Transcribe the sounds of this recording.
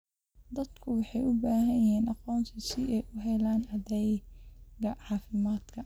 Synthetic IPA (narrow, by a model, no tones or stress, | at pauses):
d̪ɐd̪kʰʊwɑħɑjʊbaːɦɐjɦɛːnʔɑqɔːnt̪ʰɪsɪʔɛjʔʊɦɛlaːnɑðɛjɡɐʕɑːfɪmaːd̪̥kʰɐ